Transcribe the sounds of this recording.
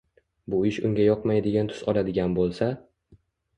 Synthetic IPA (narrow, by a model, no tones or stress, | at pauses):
bʊɪʃʊ̰ŋɡʲajɒqmajd̪ɪɡʲant̪ʰʊ̥zɒlad̪ɪɡʲanbolˠsa